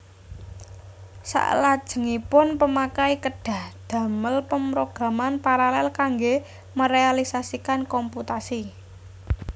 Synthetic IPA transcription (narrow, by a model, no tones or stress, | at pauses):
sa̰ʔlad̥ʒ̥ə̤ŋipʊnpəmakaikəɖ̥ä̤hd̪̥ä̤məlpəmɾoɡ̥a̤manpaɾalɛlkaŋɡe | məɾealisasikankɔmput̪asi